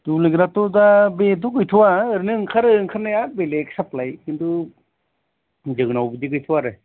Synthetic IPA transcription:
tuliɡɾatodabet̬uɡɯjtʰuwaɯɾnɯŋkʰaɾɯŋkʰaɾnajabeleksaplajkindu | d͡ʒɯŋnawbidiɡɯjtʰuwaɾɯ

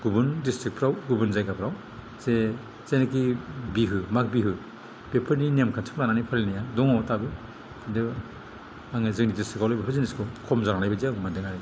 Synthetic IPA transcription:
ɡubɯndistɾik̚pʰɾawɡubɯnzajkapʰɾaw | ze | zejnakibiɦɯmak̚biɦɯ | b̥epʰɯɾninemkʰantʰɯ̥mlananipʰalinajadɔŋɔtabɯ | dɯ | aŋɯzɯk̚nidistikːawlajbapʰɯziniskʰɯwkʰɔmzaɾaŋlajbaziaŋmandɯŋaɾi

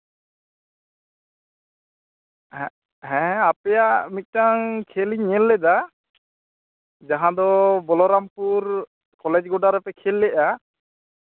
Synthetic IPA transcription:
ɦɛ̃ɦɛ̃apɛjaʔmit̪̚ˀtaŋkʰeliɲɛlːɛd̪a | d͡ʒaɦãd̪ɔbɔlɔɾampuɾ | kɔlɛd͡ʒɡɔɖaɾɛpɛkʰelːɛʔa

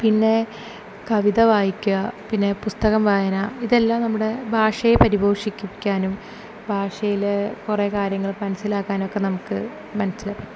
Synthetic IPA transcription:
pinːe̞ | kɐʋiðɐʋaːjikʲːuɣɐpinːe̞pust̪ɐɣɐmʋaːjɐnaːiðe̞lːaːmnɐmːuɽe̞bʱaːʂɐjepɐɾibʱo̞ːʂikʲːukʲːaːnum | bʱaːʂɐjilkureːkaːɾjɐŋːɐɭmɐnɐsilaːkːaːno̞kːe̞nɐmukːɨ | mɐnɐsːile

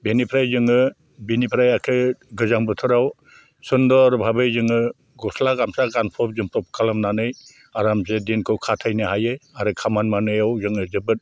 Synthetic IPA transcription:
benipʰɾajzɯŋɯ | binipʰɾajakʰɯɡɯzaŋbɯtʰɔɾaw | sɯndɔaɾubʱabɯjzɯŋɯ | ɡɔslaɡamsaɡanpʰɔp̚zɯmpɾɔp̚ʰkʰalamnanɯj | aɾamzedinkʰɯwkʰatʰajnɯɦajɯaɾɯkʰamanmanɯjawzɯŋɯzɯbɯt̚

